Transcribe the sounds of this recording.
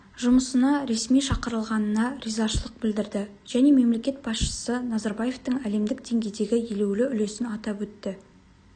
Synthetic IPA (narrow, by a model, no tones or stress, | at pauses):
ʒʊməsənɑɾe̞smijʃɑqəɾəlˠʁɑnənɑɾizɑʃəlˠəq̚bɪld̪ɪɾd̪ɪ | ʒ̥æne̞me̞mle̞kʲe̞t̪̚bɑsʃə̥sənɑzɑɾbaje̞ft̪əɴæle̞md̪ɪk̚d̪̥e̞ŋɡʲe̞jd̪e̞ɡʲɪje̞le̞wlɪʏle̞sɪnɑt̪ɑpwɵt̪ːɪ